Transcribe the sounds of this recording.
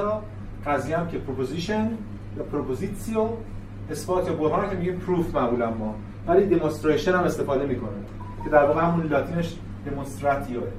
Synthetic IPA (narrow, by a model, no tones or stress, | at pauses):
ɾɒ | ɢæzijææmcʰepʰɾopoziʃen | jɒpʰɾopʰozit̪sio | esfoːɾt̪ʰjɒːboɾɦɑːnæmcʰemiɟiːmpʰɾuːfmæʔbuːlæmːɒː | væliːd̪emonst̪ɾeʃonhæme̞st̪e̞fɒːd̪e̞miːkʰo̞ne | cʰe̞d̪æɾvɒːɣehæmunlɒːt̪ʰiːneʃ | d̪e̞monst̪ɾæt̪ʰijoe